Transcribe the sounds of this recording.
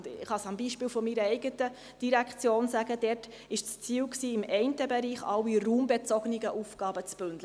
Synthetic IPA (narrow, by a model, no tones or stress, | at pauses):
dɪχɑsɑmbiːʃpiːlfɔmiːɾəɛɪɡətə | d̥iɾækt͡sjoːnsæɡəd̥ɛt | ɪʃt͡st͡siːwksiːɪmɛɪntəbɛɾiːχɑ̰wiruːmbet͡sɔɡnɪɡəʔufɡ̥ɑːbət͡sb̥ɵndlə